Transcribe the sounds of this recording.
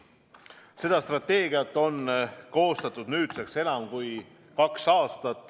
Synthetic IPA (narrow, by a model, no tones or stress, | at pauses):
se̞d̪ɑst̪rɑt̪ːe̞ːɡiɑt̪ːˑo̞nko̞ːst̪ɑt̪ːˑud̪nyːt̪sekse̞nɑmkuj | kɑksɑːst̪ɑt̪ˑː